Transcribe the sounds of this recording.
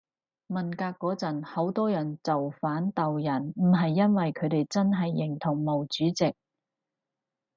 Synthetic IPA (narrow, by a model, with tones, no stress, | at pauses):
mɐ˨nkaː˧kːɔː˨˥t͡sɐ˨˩nho˨˥wt̪ɔː˥jɐ˨˩nt͡sɐ˨wfaː˨˥nt̪ɐ˨wjɐ˨˩nm̩˨˩ɦɐ˨jːɐ˥nwɐ˨jkʰɵ˨˧t̪e˨jt͡sɐ˥nɦɐ˨jːɪ˨˩ŋt̪ʰʊ˨˩ŋmo˨˩wt͡ʃyː˨˥t͡sɪ˨k̚